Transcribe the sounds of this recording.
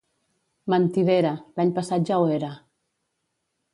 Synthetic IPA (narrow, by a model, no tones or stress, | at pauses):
mant̪iðeɾalaɲpasat̪̚ʒaweɾa